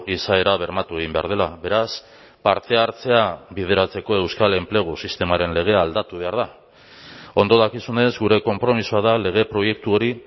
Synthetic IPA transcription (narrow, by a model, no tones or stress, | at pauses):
isae̞ɾaβ̞e̞ɾmat̪ue̞ɣimbe̞a̰ɾðe̞laβe̞ɾas | paɾt̪e̞aɾt͡se̞abið̞e̞ɾat͡se̞ko̞e̞wskale̞mple̞ɣ̞usist̪e̞maɾe̞nle̞ɣ̞e̞aːld̪at̪uβe̞aɾða | o̞nd̪o̞ðakisune̞zɡuɾe̞ko̞mpɾo̞misuaðale̞ɣ̞e̞pɾo̞je̞k̚t̪uo̞ɾi